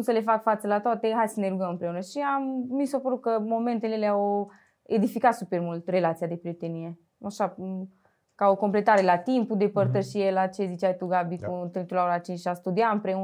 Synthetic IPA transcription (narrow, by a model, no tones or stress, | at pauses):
usəle̞fakfat̪səlat̪oat̪eɦajsəne̞ɾuɡəmɨmpɾe̞unəʃiamːisopəɾut̪̚kəmo̞me̞nt̪eleleaw | ed̪ifikat̪supe̞rmult̪re̞lat̪siad̪e̞pɾijet̪enie̞ | aʃa | kao̞ko̞mple̞t̪aɾe̞lat̪impud̪e̞pərt̪əʃijelat͡ʃe̞zit͡ʃajt̪uɡabikunt̪ɾint̪ulaoɾat͡ʃint͡ʃʃiast̪ud̪iaɨmpɾe̞u